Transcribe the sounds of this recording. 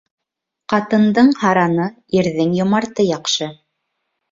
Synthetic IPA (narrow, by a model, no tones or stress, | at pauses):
qɑt̪ɤ̆nd̪ɤɴhɑɾɑnɤ | iɾðɘŋjŏmɑɾt̪ɤjɑqʃɤ